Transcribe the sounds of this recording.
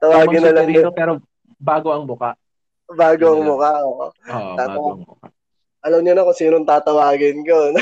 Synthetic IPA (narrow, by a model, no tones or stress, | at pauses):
t̪ɐwaːɡɪnɐlɐiopɛːɾo | baːɡo̞ɐŋmʊkaʔ | baːɡoɐŋmʊkaʔoːʔot̪aːt̪ɐaka | ʔɐlɐmɲʊnɐkʊnsiːnont̪aːt̪ɐwaːɡɪnkon